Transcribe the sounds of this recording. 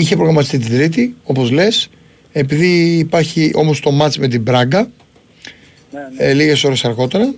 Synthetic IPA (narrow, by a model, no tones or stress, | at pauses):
içepɾo̞ɣɾɐmɐt̪i̥st̪it̪id̪ɾit̪io̞po̞zle̞s | e̞piðiːpɐɾçiʔo̞̰mo̞st̪o̞mɐt͡sme̞t̪̬ibɾɐɡɐ | liɣe̞so̞ɾe̞sɐɾɣo̞t̪e̞ɾɐ